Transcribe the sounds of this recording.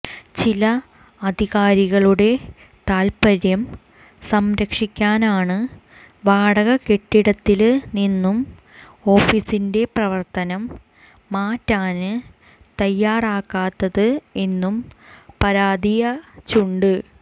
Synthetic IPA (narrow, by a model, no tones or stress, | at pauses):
t͡ɕilɐ | ɐd̪ʱiɣaːɾiɣɐɭuɽe̞ | t̪aːlpɐɾjɐm | sɐmɾɐkʂikʲːaːnaːɳɨ | ʋaːɽɐɣɐke̞ʈːiɽɐt̪ːilninːum | o̞ːfisinde̞prɐʋɐrt̪ɐnɐmː | aːtːaːnɨ | t̪ɐjːaːraːkːaːt̪ːɐðɨe̞nːumpɐɾaːd̪ijɐt͡ɕuɳɖɨ